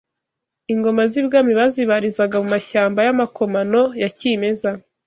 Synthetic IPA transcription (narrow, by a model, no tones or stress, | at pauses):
iŋɡo̞mazibɡaːmiβaziβaɾizaɡamumaʃaːmbajamakʰo̞mano̞jacime̞za